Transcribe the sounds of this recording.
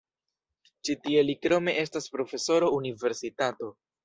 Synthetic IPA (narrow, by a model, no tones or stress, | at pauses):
t͡ʃitie̞likɾo̞me̞ʔe̞staspɾo̞fe̞so̞ɾo̞unive̞ɾsitato̞